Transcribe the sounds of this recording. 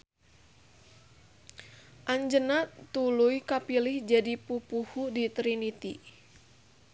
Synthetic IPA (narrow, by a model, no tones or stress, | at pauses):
ʔaɲd͡ʒənat̪ulujkapilɪhd͡ʒadipupuhudit̪ɾinit̪i